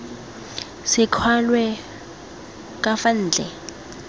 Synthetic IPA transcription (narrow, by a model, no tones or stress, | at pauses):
sɪkʰwalwɛ | k̬ʼafan̩ːd͡ɮʱɛ